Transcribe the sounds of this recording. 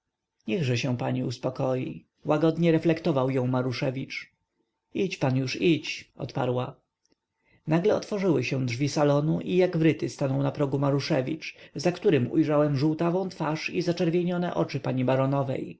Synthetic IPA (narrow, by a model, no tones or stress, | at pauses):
ɲɛɣʐɛɕɛ̃paɲiuspɔkɔjḭ | waɡɔd̪ɲɛɾɛflɛkt̪ɔvawjɔ̃w̃maɾuʂɛvʲit͡ʂ | it͡ɕpanjuʂit͡ɕʔɔ̰t̪pa̰ɾwa | naɡlɛɔt̪fɔʐɘwɘɕɛ̃dʐvʲisalɔnuʔijaɡvɾɘt̪ɘst̪anɔ̃w̃napɾɔɡumaɾuʂɛvʲḭt͡ʂzakt̪uɾɘmṵjʐawɛmʐuwt̪avɔ̃w̃t̪faʂizat͡ʂɛɾvʲjeɲɔnɛ̰ʔɔt͡ʂɘpaɲibaɾɔnɔvɛ̰j